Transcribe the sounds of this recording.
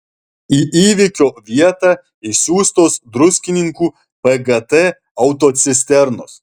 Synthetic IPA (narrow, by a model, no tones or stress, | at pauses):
iʔiːʋʲɪkʲoːʋʲiɛt̪ɑː | isʲuːst̪oːsd̪ɾʊsʲkʲɪnʲɪŋkuː | pɛɡɐt̪ɛ | ɐʊt̪oːt̪sʲɪsʲt̪ʲɛɾno̰s